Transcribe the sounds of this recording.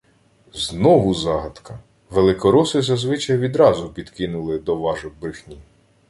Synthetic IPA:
znɔʋʊzɑɦɐt̪kɐ | ʋelˠɪkɔɾɔsɪzɐzʋɪt͡ʃɐjʋʲid̪ɾɑzʊpʲid̪kɪnʊlˠɪd̪ɔʋɑʒɔbɾɪxnʲi

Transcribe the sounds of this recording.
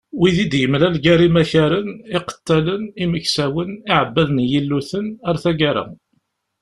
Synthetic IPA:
wiðid̪jəmlælɡæɾimæçæɾənɪqə̥t̪ːæləniməçsæwənɪʕəbːæðənjəlːuθənaɾθæɡaɾæ̰

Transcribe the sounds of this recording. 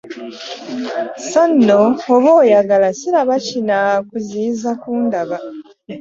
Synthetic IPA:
sanːoːβoːjaɡalasiɾaβacinakuziːzakuːndaβa

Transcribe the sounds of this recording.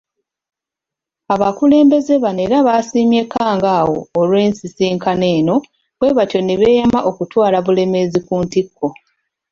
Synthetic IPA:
aβakule̞ːmbe̞ze̞βane̞ːɾaβasiːmje̞kːaːŋɡaːwo̞̰ːlwe̞ːnsisiːŋkane̞ːno̞ | βwe̞ːβatjo̞neβeːjamaʔo̞kutwaːlaβule̞me̞zikuːntikʰːo̞

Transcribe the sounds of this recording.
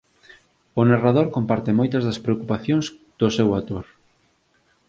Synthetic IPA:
ʊnarað̞oɾkompaɾt̪ɪmojt̪ɐzðɐspɾeokupaθjoŋz | d̪̥osewat̪oɾ

